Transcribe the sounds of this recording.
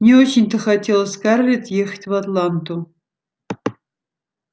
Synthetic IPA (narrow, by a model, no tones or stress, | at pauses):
nʲeot͡ɕʰɪnʲt̪ʰɨxatʲʰelˠəsʲkarlʲet̪jextʲvat̪lˠant̪ʰu